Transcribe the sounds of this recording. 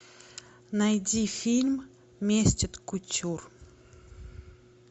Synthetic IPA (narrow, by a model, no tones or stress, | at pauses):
najd̪ifilmə | mest͡ʃəd̪kut͡ʃuɾu̥